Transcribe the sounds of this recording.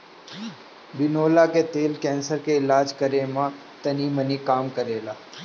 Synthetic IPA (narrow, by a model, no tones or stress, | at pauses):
bɪnoːlaket̪eːlkɛ̃ːnsəɾkeɪlaːd͡ʒkəɾemã | t̪ɐniːmənikaːmkəɾeːlaː